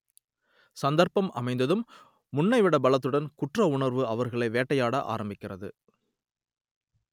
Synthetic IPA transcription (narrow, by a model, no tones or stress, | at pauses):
sɐnd̪ɐɾpɐmɐ̰mɐɪnd̪ɐðɯmː | ʊɳːɐɪʋɪɽɐbɐɭɐt̪̬ːɯɽɐnkʊʈrɐʊɳɐɾʋɯɐʋɐɾɣɐɭɐɪʋeːʈːɐjaːɽɐʔa̰ːɾɐmbɪkːɪrɐðɯ